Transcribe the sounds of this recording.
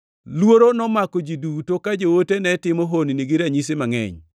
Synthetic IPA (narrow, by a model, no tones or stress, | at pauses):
lwoɾonɔmakod͡ʒidutokad͡ʒowotenɛtɪmɔɦoniniɡɪɾaɲis̬ɪmaŋɛ̰ɲ